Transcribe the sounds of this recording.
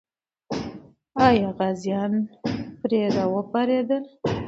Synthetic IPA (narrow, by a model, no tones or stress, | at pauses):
ɑjɑɣazjɑnpɾed̪awəpaɾed̪əl